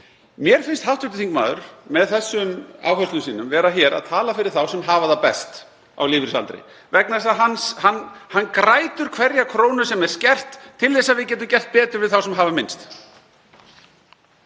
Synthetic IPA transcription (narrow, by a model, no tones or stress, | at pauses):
mjɛɾ̥fɪnst̪hawft̪ʏt̪ɪθiŋkma̰ːðʏ̰ɾ̥mɛðθɛsːʏma̰ːwɦœst̪lʏsiːnʏmvɛːɾaçɛːɾa̰ðt̪ʰaːlafɪɾɪɾ̥θawsɛmɦaːvaðapɛ̰st̪ | a̰wlɪːvɪɾsa̰lt̪ɾɪ̰ | vɛknasaɦanshanhanːkɾaːjt̪ʏɾ̥kʰvɛɾjakʰɾoːwnʏsɛmɛɾ̥scɛr̥t̪ʰːɪlðɛsːaðvɪðcɛːt̪̬ʏcɛr̥t̪̚pɛːt̪ʏɾvɪðθawsɛmɦaːvamɪnst̪